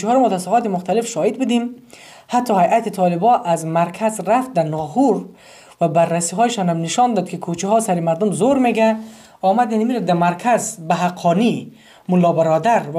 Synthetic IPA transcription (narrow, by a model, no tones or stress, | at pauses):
ihɔɾɔmɔd̪asɔhɔt̪imʊxt̪alifʃɔid̪̚bud̪em | hat̪ʰːɔhajʔat̪ʰit̪ʰɔlibɔʔazmæɾkʰazɾaft̪̚d̪anɔɦuɾ | vabæɾːasiɦɔiʃɔnhamniʃɔnd̪ɔd̪̚kʰikʰot͡ʃʰiɦɔsaɾimaɾd̪umzoɾmeɡæ | ɔmad̪enmiɾad̪amaɾkʰazbaɦaqʰːɔni | mulːɔbaɾɔd̪aɾv